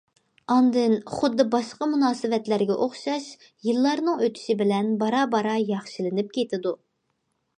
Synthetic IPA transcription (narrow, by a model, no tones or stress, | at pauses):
ɑnd̪ɨnχʊd̪ːɨbɑʃqɑmunɑːsɨvɛt̪læɾɡʲɛʔoχʃɑʃ | jilˠːɑɾnɨŋøt̪ʰy̥ʃɪbɪlɛnbɑɾɑbɑɾɑjɑχʃilɪnɪp̚kʲʰet̪ʰɪd̪u